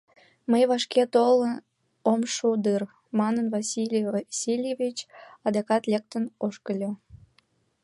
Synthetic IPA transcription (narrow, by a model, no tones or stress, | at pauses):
məjβɑʃket̪olə | omʃud̪ɯr | mɑnənvɑsilʲsilʲjevʲit͡ɕɑd̪ɑkɑt̪lʲek̚t̪ənoʃkəlʲo